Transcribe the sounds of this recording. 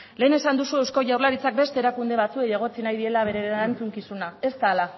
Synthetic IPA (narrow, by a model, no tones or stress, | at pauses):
le̞ːne̞sand̪usue̞wsko̞ʝawɾlaɾit͡sak̚be̞st̪e̞ɾakund̪e̞β̞at͡suejeɣ̞o̞t͡sinajðie̞laβe̞ɾeent͡suŋkisunae̞st̪aːla